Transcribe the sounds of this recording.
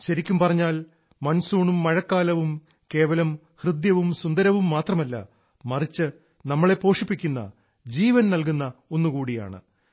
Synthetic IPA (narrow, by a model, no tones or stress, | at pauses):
ɕɐɾikʲːumpɐrɐɲːaːl | mɐnɐsuːɳumːɐɻɐkːaːlɐʋum | ke̞ːʋɐlɐm | hrɨd̪jɐʋumsund̪ɐɾɐʋumːaːt̪rɐmɐlːɐ̰ | mɐrit͡ɕːɨ | nɐmːɐɭe̞po̞ːʂipːikʲːunːɐ̰ | d͡ʑiːʋɐnnɐlkunːɐo̞nːukuːɽija̰ːɳɨ̰